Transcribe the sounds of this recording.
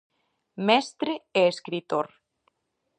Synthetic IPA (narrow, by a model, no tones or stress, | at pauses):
mɛst̪ɾeeeskɾit̪oɾ